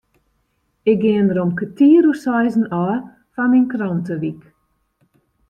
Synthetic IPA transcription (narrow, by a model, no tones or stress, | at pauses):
ɪk̚ɡɪəndəɾomkətiəɾusɔjzənɔː | faninkrɔntəʋik